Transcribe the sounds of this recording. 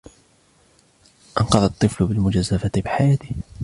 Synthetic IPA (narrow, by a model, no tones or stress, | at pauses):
ʔɑnqɑðˤɑt̪ˤːɨflʊbɪlmʊd͡ʒazːafat̪ɪbɪħajaːt̪ɪh